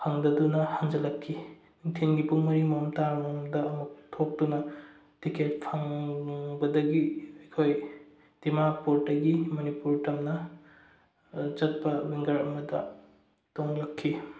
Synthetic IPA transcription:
hʰɐŋdɐdunɐhaŋd͡ʒɐlɐkʰːi | iŋtʰenɡipuŋmɐɾimɐmtaɾmomdɐːmuk̚tʰok̚dunɐ | tiket̚pʰɐŋbɐdɐɡiɐjkʰoj | d̥imapoɾtɐɡimɐnipuɾtɐmnɐ | t͡ʃɐt̚pɐwiŋɡɐɾɐmɐdɐ | toŋlɐkʰːi

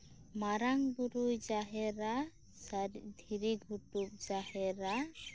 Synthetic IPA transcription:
maɾaŋbuɾujd͡ʒaɦɛɾa | sd̪ʱiɾiɡʱuʈup̚d͡ʒahɛɾa

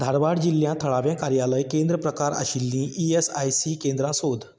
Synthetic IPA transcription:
d̪ʱaɾʋaɽd͡ʑiljãt̪ʰəɭaʋjãkaɾjaləjkẽnd̪ɾəpɾəkaɾa̰ɕilːĩʔiesajsikẽnd̪ɾãsod̪ʱ

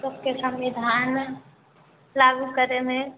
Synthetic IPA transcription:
səb̚kesə̃mʋid̪ʱaːn | laːɡukəɾemẽ

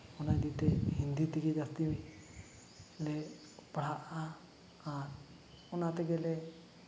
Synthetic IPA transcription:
ɔnad̪it̪ɛhind̪it̪iɡɛd͡ʒast̪imi | lɛ | paɽ̤aʔaː | ɾ | ɔnat̪ɛɡɛlɛ

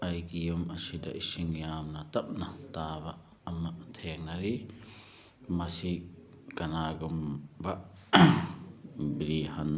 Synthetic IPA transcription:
ɐjkijumɐsidɐ̰ʔisiŋjaːmnɐt̪ɐp̚nɐtaːbɐː | mɐt̪ʰeŋ̚nɐɾi | mɐsi | kɐnaɡumbɐ | biɾihɐn

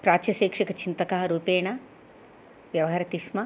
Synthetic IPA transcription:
pɾaːt͡ʃjɐʃeːkʂɐkɐt͡ʃint̪ɐkɐɦɐɾuːpeːɳɐ | ʋjɐʋɐɦɐɾɐt̪iʃmɐ

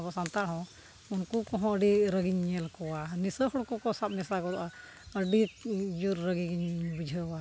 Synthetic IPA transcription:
bɔsant̪aɽ̤ɔ̃ | unkukɔɦɔ̃əɖiɾəɡiɲɛlkɔwanisəhɔɽkɔkɔsab̚nɛsakɔd̪ɔʔa | əɖid͡ʒuɾːəɡiɡiɲbud͡ʒʱəa

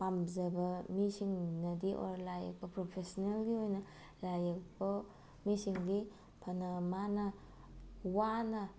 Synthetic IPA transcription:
pamzɐbɐmisiŋnɐdiʔo̰ɾlajɐ̰k̚pɐpɾopʰesonelɡiojnɐ | lajek̚pɐ | misiŋdi | pʰɐnɐmanɐ | wanɐ

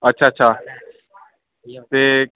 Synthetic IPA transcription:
ɐtːʃʰaːətːʃʰaː | t̪eː

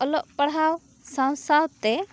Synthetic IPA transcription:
ɔlɔʔpəɽ̤ɦaw | sãw̃sawt̪ɛ

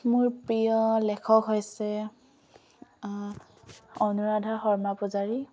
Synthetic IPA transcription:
mʊɹpɹijɔlɛkʰɔkɦojsɛ | ɔnuɹadʱaxɔɹmapɔzaɹi

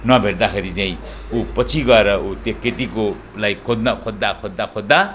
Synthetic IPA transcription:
nʌbʱeɽd̪akeɾit͡saĩ | upʌt͡sʰiɡʌeɾʌut̪jokeʈiko | lajkʰod̪nakʰod̪ːakʰod̪ːakʰod̪ːa

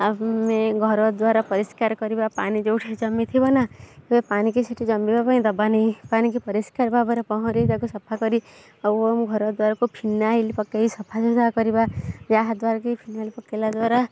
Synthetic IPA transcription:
amẽɡʱɔɾɔd̪waɾapɔɾiskaɾkɔɾibapanid͡ʒowʈʰed͡ʒɔmːit̪ʰibɔnaepanikiseʈʰid͡ʒɔmbibabaĩd̪ɔbanĩpanikipəɾiskaɾbabɔɾepɔɦɔ̃ɾit̪akosɐpʰakɔɾi | ɔomɡʱɔɾɔd̪waɾakopʰinːailipɔkːeisɐpʰased̪akɔɾibad͡ʒaɦd̪waɾakipʰinːalipɔkːelad̪waːɾa

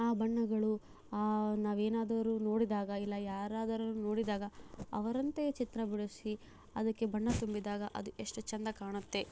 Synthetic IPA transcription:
aːbɐɳːɐɡɐɭu | aːnaːʋeːnaːd̪ɐʋɐɾuno̞ːɽid̪aːɡɐilːɐjaːɾaːd̪ɐɾɐnːuno̞ːɽid̪aːɡɐɐ̰ʋɐɾɐnt̪et͡ʃit̪ɾɐbiɭusi | ɐd̪ɐkːe̞bɐɳːɐt̪umbid̪aːɡɐʔɐ̰d̪uʔeʂʈɐt͡ʃɐnd̪ɐkaːɳɐt̪ːe̞

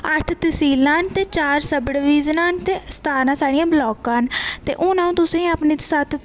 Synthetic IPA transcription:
əʈʰt̪əsiːlaːnt̪eːt͡ʃaːɾsəbɽʋiːznãːnt̪eːst̪ʰaːnãːsaːɽijãːblɔːkãːnt̪ḛːʔʊ̃ːnãːũːt̪ʊsẽːəpniːt̪saːt̪ʰ

